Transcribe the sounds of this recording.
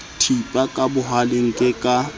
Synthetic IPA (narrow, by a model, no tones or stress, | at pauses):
tʰipʼakʼabʊɦalɪŋ̩kʼɪkʼa